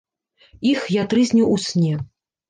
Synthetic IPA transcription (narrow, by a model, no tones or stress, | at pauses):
ixjat̪ɾɨzʲnʲiwʔusʲnʲɛ